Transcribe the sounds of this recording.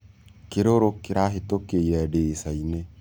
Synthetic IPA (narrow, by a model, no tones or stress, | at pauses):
keɾoɾokːiɾaɦet̪okːejɛɖesaine